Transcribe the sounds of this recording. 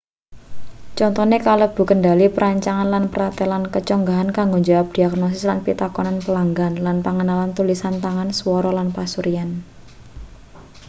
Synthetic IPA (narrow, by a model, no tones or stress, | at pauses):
t͡ʃɔnt̪ɔnekaləb̥ṳkənɖalipəɾaɲt͡ʃaŋanlanpəɾat̪elankət͡ʃɔŋɡaɦankaŋɡoɲd͡ʒawap̚d̥iaknɔs̬ɪslanpit̪akɔnanpəlaŋɡanlanpaŋənalant̪ulisant̪aŋanswɔɾɔlanpasuɾian